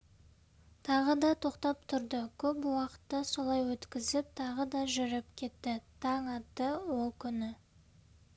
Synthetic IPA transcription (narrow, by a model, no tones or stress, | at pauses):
t̪ʰɑʁəd̪ɑt̪ʰo̞qt̪ɑp̚t̪ʰʊɾd̪əkʲʰɵpwɑqə̥t̪ːɑso̞lˠɑjwɵt̪kʲɪzɪp̚t̪ʰɑʁəd̪ɑʒʏɾɪpkʲʰe̞t̪ːɪt̪ʰɑɴɑt̪ːəwolˠkʲʰʏnɪ